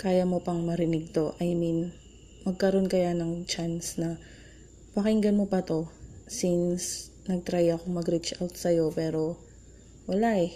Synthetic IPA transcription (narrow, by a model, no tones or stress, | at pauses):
kaːjɐmo̞pɐŋmɐɾɪnɪɡ̚t̪o̞ʔɐjmin | mɐɡ̚kɐɾo̞nkɐjanɐŋt͡ʃansnɐ | pɐkɪŋɡɐnmo̞pɐt̪o̞sins | nɐɡ̚t̪ɾajɐkoŋmɐɡɾit͡ʃʔawt̪̚sɐjo̞pɛːɾo̞ | wɐlaʔɛ